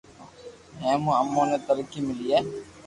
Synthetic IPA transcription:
ɛ̃ːmũəmːõːneːt̪əɾkimɪliːɛː

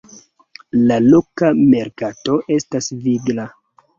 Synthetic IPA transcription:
lalokame̞ɾkato̞ʔe̞stasviɡla

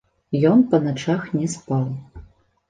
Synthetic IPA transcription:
jɔnpɐnat͡ʂaxnʲɛspalˠ

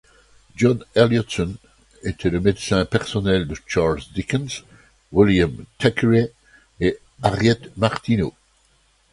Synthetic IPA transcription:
d͡ʒɔ̃nɛljɔtsɔn | et̪ʰeləmed̪sɛ̃pɛʁsɔnɛld̪ət͡ʃaʁlzd̪ikə̃ns | wiljãmt̪ʰɛkɹe | e | aʁjɛt̪maʁt̪ino

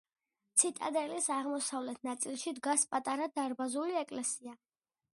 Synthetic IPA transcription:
t̪sʰit̪ʼa̰d̪ɛlisaʁmɔsavlɛt̪ʰnat̪sʼilˠʃid̪ɡaspʼat̪ʼaɾad̪aɾbazuliɛkʼlɛsia

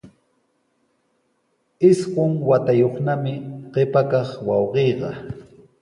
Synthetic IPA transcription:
ɪsɢoŋwat̪ajoχnamɪɢepakɑχwɑwɢejɢɑ

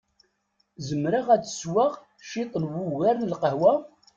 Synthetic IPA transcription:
zəmɾaʁæt͡sːə̥swaʁ | ʃɪt̪ˤənwʊwæɾnəlqəhwa

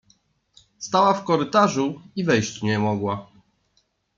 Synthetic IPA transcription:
st̪awafkɔɾɘt̪aʐuivɛjɕt͡ɕɲɛmɔɡwa

